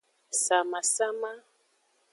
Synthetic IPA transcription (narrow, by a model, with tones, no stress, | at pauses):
sa˨ma˨sa˦ma˦